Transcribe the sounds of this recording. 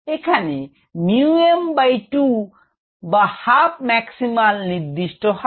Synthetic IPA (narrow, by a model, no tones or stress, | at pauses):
ekʰane | miuembajʈu | bahap̚mɛksimalniɾd̪iʃʈɔɦɔ